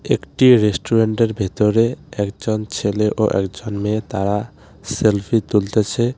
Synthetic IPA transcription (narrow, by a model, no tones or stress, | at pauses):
ḛkʈiɾesʈuɾeɳʈeɾbʱit̪ɔɾeekd͡ʒɔnt͡ʃʰeleʔoʔḛkd͡ʒɔnmet̪aɾa | selpʰit̪ult̪et͡ʃʰɛ